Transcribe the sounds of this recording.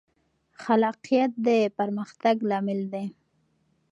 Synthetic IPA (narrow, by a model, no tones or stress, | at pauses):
xalɑqijat̪̚d̪epaɾməxt̪aɡlɑmɪld̪e